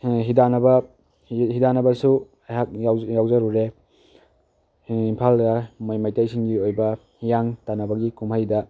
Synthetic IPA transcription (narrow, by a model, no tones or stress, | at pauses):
ɦidanɐbɐ | hidanɐbɐsu | hak̚jawjawzɐɾuɾe | impʰaldɐmajmajtajsiŋɡiojbɐ | jaŋtanɐbɐɡikumhajdɐ